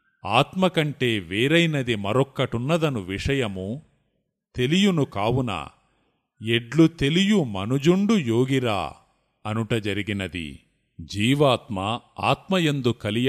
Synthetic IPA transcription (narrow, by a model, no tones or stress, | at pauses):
aːt̪mɐkɐɳʈe̞ːʋeːɾɐjnɐd̪imɐɾɔkːɐʈunːɐd̪ɐnuʋiʂɐjɐmu | t̪e̞lijunukaːwunɐ̰ | eɖlut̪e̞lijumɐnud͡ʒuɳɖujo̞ːɡiɾa̰ː | ɐnuʈɐd͡ʒɐɾiɡinɐd̪ḭ | d͡ʒiːʋaːt̪mɐa̰ːt̪mɐjend̪ukɐlij